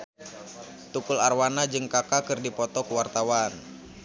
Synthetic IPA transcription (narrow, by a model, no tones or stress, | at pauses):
t̪ukularwanad͡ʒɨŋkakakɨrdipɔt̪ɔkuwart̪awan